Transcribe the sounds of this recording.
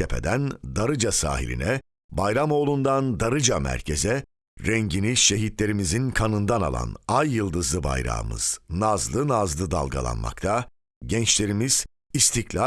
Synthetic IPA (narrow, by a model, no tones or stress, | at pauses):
epʰe̞̰d̪ænd̪aɾɯd͡ʒasa̰ːɦḭlʲḭnɛ | bajɾamo̞ːlˠund̪and̪aɾɯd͡ʒamæ̰ɾcʰezɛ | ɾɛɲɟiniʃe̞ɦit̪lʲe̞ɾimizinkʰanɯnd̪ana̰lˠa̰najːɯlˠd̪ɯzlˠɯba̰jɾa̰mɯ̰z̥nazlˠɯnazlˠɯd̪a̰lˠɡa̰lˠa̰nma̰k̚t̪ʰa | ɟɛnt͡ʃlʲe̞ɾimiz̥ | ist̪ʰiclʲa